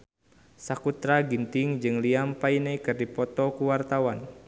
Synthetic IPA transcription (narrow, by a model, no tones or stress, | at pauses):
sakut̪ɾaɡint̪ɪŋd͡ʒɨŋliampainekɨrdipɔt̪ɔkuwart̪awan